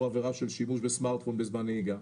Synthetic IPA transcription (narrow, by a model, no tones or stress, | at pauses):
aveʁafʃɪlʃimuːʃbɪsmaɾtfɔnbɪzmaniɡa